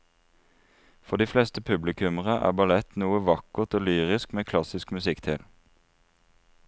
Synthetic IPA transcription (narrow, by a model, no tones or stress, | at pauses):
fɔʁd̪iːflɛst̪əpʰʉblɪkʰʉməʁəʔæ̰ːbɑlɛt̪nuːəʋɑkəʁt̪oːlyːʁɪskmeːkʰlɑsɪskmʉsɪkt̪ʰɪl